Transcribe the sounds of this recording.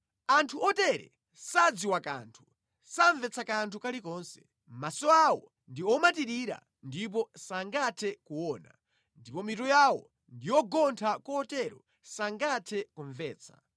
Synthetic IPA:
antʰuɔtɛɾɛ̰ | sad͡ziwaka̰ntʰu̥ | saɱvɛt͡sʰakantʰukalikɔːnsɛ̥ | masɔawɔ | ndiɔmatiɾiɾa̰ | ndip̬ɔsaŋɡatʰɛkuwɔːna̰ | ndipɔmitɔjawɔ̰ | ndijɔɡɔntʰakɔːtɛɾɔ | saŋɡatʰɛkuɱvɛːt͡sʰḁ̰

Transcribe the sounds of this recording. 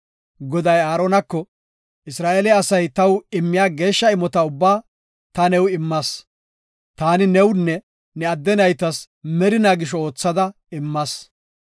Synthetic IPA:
ɡɔd̪ɐjaːɾoːnɐkːɔ | ɪsɾaːʔeːlɛɐsɐjt̪ɐwɪmːɪjaːɡe̞ːʃːɐɪmɔt̪ɐʊbːaː | t̪ɐnɛwɪmːɐs | t̪aːnɪnɛwnːɛ | nɛɐd̪ːɛnɐjt̪ɐs | mɛɾɪnaːɡɪʃɔoːt͡sːɐd̪ɐ | ɪmːɐs

